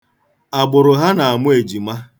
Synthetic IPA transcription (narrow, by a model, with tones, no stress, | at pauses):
a˨ɡ͡bʊ˨ɾʊ˨ɦa˦na˨a˨mʊ˦e˨d͡ʒi˨ma˦